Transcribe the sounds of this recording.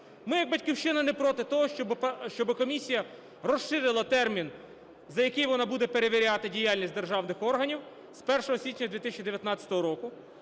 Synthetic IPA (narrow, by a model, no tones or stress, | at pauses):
mɪjɐɡ̚bɐtʲkʲiwʃɪnɐnɛpɾɔt̪ɪt̪ɔɦɔbʃt͡ʃɔbɪkɔmʲisʲijɐ | rɔʃɪɾɪlˠɐt̪ɛrmʲin | zɐjɐkɪjʋɔnabud̪ɛpeɾeʋʲiɾʲat̪ɪdʲijalʲnʲisʲtʲd̪e̞rʒɑwnɪxɔrɦɐnʲiw | spɛrʃɔɦɔsʲʋʲit͡ʃnʲɐd̪ʋʲit̪ɪsʲt͡ʃʲid̪eʋʲjɐt̪nɑt͡sʲɐ̥t̪ɔɦɔɾɔkʊ